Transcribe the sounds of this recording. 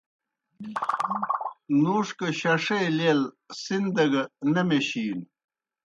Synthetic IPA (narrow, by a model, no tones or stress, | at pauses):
nuːʂkɐɕɐʂejlel | sind̪ɐɡɐnɐmeɕiːn